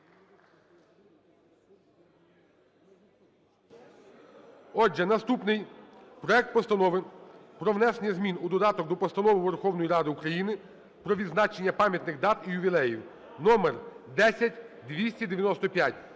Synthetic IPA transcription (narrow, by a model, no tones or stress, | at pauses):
ɔd͡ʒɛnɐst̪upnɪjpɾɔɛk̚t̪̚pɔst̪ɐnɔʋɪpɾɔwnɛsnʲɛzmʲinud̪ɔd̪ɑt̪ɔk̚d̪ɔpɔst̪ɐnɔʋɪʋerxɔwnɔjiɾɑd̪ɪukɾɐjinɪ | pɾɔʋʲid̪znɑt͡ʃenʲːɐpɑmʲjɐt̪nɪxd̪ɑt̪ijʊbʲilˠɛjiw | nɔmerd̪ɛsʲɐtʲd̪ʋʲisʲtʲid̪eʋʲjɐnɔst̪ɔpʲjatʲ